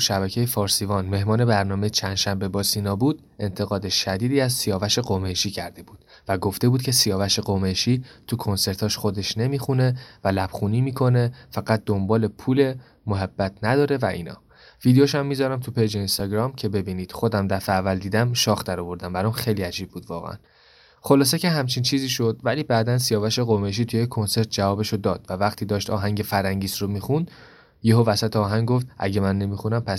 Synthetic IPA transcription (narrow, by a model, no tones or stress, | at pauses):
ʃæbæcʰe̞jefɒːɾsivɒnme̞ɦmɒːne̞bæɾnɒːme̞jet͡ʃʰænd̪̥ʃæmbe̞bɒːsinɒːbuːd̪ | e̞nt̪ʰe̞ɣɒːd̪eʃæd̪iːd̪iːæzsijɒːvæʃe̞ɢomeʃiːcʰæɾd̪e̞buːd̪̥ | væɡo̞ft̪e̞buːd̪̚cʰesijɒːvæʃe̞ɡomeʃiːt̪ʰukʰo̞nse̞ɾt̪ʰɒːʃxo̞d̪e̞ʃne̞mixune̞vælæb̥χuniːmiːkʰo̞ne̞fæɡæt̪̚d̪o̞mbɒːle̞pʰuːle̞ | moɦæbːæt̪ʰnæd̪ɒːɾe̞væʔḭːnɒ̰ː | vid̪ejoʃæmːiːzɒɾæmt̪ʰupʰe̞jd͡ʒeinst̪ɒɡɾɒmcʰe̞be̞biːniːd̪̥xo̞d̪æmd̪æfeævːæld̪iːd̪æmʃɒːxd̪æɾɔvo̞ɾd̪æmbæɾɒmxejliːæd͡ʒiːb̚buːd̪̥vɒ̰ːɣḛæ̰n | xo̞lɒːseceɦæmt͡ʃʰint͡ʃʰiːziːʃo̞d̪̥væliːbæd̪ænsijɒːvæʃeɣomeʃ̬iːt̪ʰujekʰːo̞nse̞ɾt̪̚d͡ʒævɒːbeʃod̪ɒːd̪̥vævæχt̪ʰiːd̪ɒːʃt̪ɒ̰ːɦæŋɟe̞fæɾhæŋɟiːsromixund̪̥ | jeɦovæsæt̪ʰeɒːɦæŋɡɡoft̪ʔæ̰ɟe̞mænːe̞mixunæmpʰæs